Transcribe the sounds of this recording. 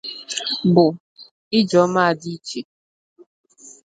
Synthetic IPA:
bʊ˨ | ɪ˦d͡ʒɔ˨˦ma˦a˨di˦t͡ʃe˨

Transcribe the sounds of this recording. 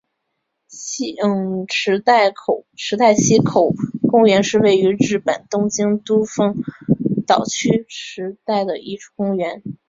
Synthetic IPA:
ɕi˥˩ŋʈ͡ʂʰɻ̩˧˥t̪a˥˩ɪkʰo˨˩ʊʈ͡ʂʰɻ̩˧˥t̪a˥˩ɪɕi˥kʰo˨˩ʊkʊ˥ŋɥɛ˧˥nʂɻ̩˥˧we˥˩ɪy˧˥ɻɻ̩˥˩pə̰˨˩nt̪ʊ˥˧ŋt͡ɕi˥ŋt̪u˥fɤ˥˩ŋt̪ɑ˨˩ʊt͡ɕʰy˥ʈ͡ʂɻ̩˧˥t̪a˥˩ɪd̪ə˩i˥˧ʈ͡ʂʰu̥˥˩kʊ˥ŋɥɛ˧˥n

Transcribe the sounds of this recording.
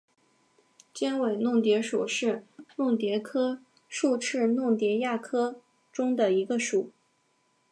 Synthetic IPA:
t͡ɕjɛ˥nwe˨˩ɪnʊ˥˩ŋt̪jɛ˧˥ʂu˨˩ʂɻ̩˥˧nʊ˥˩ŋt̪jɛ˧˥kʰɤ˥ | ʂu˥˧ʈ͡ʂʰɻ̩˥˧nʊ˥˩ŋt̪jɛ˧˥ja˥˩kʰɤ˥ | ʈ͡ʂʊ˥ŋd̪ə˨˩i˧˥ɡə˧ʂu˨˩˦

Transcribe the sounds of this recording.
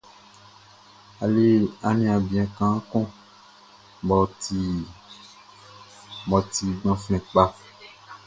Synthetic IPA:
a˨le˦a˨nĩ˦˨a˨bi˨ã˨kã˨˦kɔ̃˦ | bɔ˨ti˨ | bɔ˨t̪i˨ɡ͡bɔ̃˨fɛ̃˨k͡pa˦

